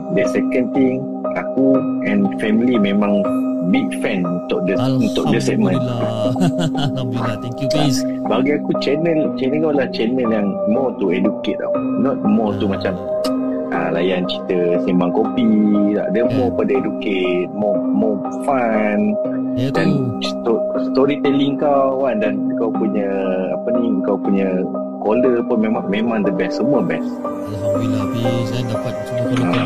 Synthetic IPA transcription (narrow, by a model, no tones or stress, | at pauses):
dəsɛkə̃nt̪ĩŋ | akuɛ̃nfɛmilimẽmãŋbik̚fɛ̃nunt̪ʊk̚dəunt̪ʊk̚dəsɛʔ̚mə̃n | abaɡiakut͡ʃɛnə̃lt͡ʃɛnə̃kolat͡ʃɛnəljãŋmɔt̪uɛduket̪̚a̰kunɔt̪̚mɔt̪umat͡ʃam | ʔã̰la̰jant͡ʃit̪əsimbaŋkopid̪a̰ʔdəmɔpədəeduket̪̚mɔmɔ | fan | danst̪ɔst̪ɔɾit̪ɛliŋkawwandankawpuɲəa̰pənikawpuɲə | koləpunmemãŋmẽmãŋd̪əbɛssəmuəbɛs | a